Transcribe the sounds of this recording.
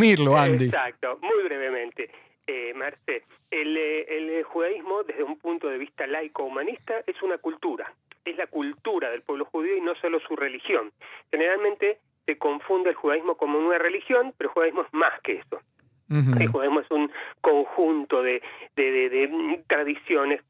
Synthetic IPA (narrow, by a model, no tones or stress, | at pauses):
miɾloaend̪isak̚t̪omujβɾeβemẽ̞nt̪e | emeɾse | elelxuðaizmo̞ðezðeumpunt̪oðe̞β̞ist̪alajkoumanist̪aʔesunakult̪uɾaezlakult̪uɾaðe̞lpwe̞β̞lo̞xuðio̞ino̞so̞losurelixjo̞nxeneɾalmẽnt̪e | seko̞ɱfund̪elxuðaizmo̞ko̞mounarelixjo̞npeɾoxuðaiɦmoezmaskeeso | elxuðaiɦmoesuŋko̞ŋxunt̪o̞ðeðeðeðet̪ɾaðisjo̞nes